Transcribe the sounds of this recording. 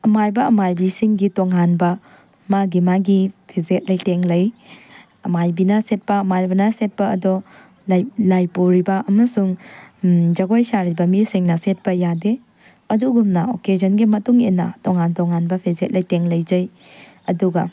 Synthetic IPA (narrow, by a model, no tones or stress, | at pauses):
ɐmajbɐɐmajbisiŋɡitoŋɦanbɐ | maɡimaɡipʰizet̚lɐjteŋlɐj | ɐmajbinɐset̚pɐːmaɾbɐnɐset̚pɐɐdɔ | llajpuɾibɐʔɐmɐsuŋ | d͡ʒɐɡojsaɾibɐmiɾsiŋnɐset̚pɐjade | ɐduɡumnɐokezɐnɡimɐtuŋenːɐtoŋhantɔŋhanbɐpʰizet̚lɐjteŋlɐjd͡ʒɐj | ɐduɡɐ